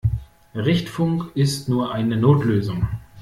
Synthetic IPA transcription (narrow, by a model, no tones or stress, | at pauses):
ʁɪçtfʊŋkɪstnuːɐʔaɪnənoːtløːzʊŋ